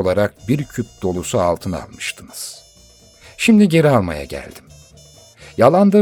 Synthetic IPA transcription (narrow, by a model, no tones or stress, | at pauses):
olˠaɾak̚biɾcʰyp̚d̪̥o̞lˠusualˠt̪ʰɯna̰lˠmɯʃt̪ʰɯnɯz̥ | ʃimd̪iɟe̞ɾialˠma̰ja̰ɟæ̰lʲd̪im | jalˠand̪a